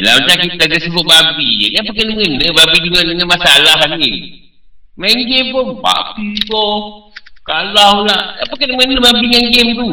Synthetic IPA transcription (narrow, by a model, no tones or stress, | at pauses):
la̰t͡ʃakit̪ad͡ʒasəbuʔbabḭapakadəŋənːəbabidəŋədəŋənmasalaɦani | maŋɡempɔba̰bikɔ | kalalaʔapakadəmənəbabiŋaŋɡemt̪u